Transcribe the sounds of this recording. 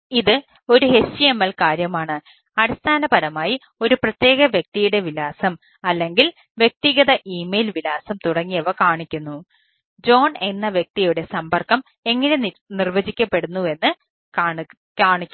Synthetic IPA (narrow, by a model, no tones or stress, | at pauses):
iðɨ | o̞ɾuɦe̞ɕiemːɐlkaːɾjɐmaːɳɨ | ɐɽist̪ʰaːnɐpɐɾɐmaːji | o̞ɾuprɐt̪je̞ːɣɐʋjek̚t̪ijuɽe̞ʋilaːsɐm | ɐlːe̞ŋɡil | ʋje̞k̚t̪iɣɐðɐʔiːmejlʋilaːsɐmt̪uɽɐŋːijɐʋɐkaːɳikʲːunːu | d͡ʑo̞ːɳe̞nːɐʋjek̚t̪ijuɽe̞sɐmbɐrkɐm | e̞ŋːɐnenirʋɐd͡ʑikʲːɐpːe̞ɽunːue̞nːɨ | kaːɳikʲː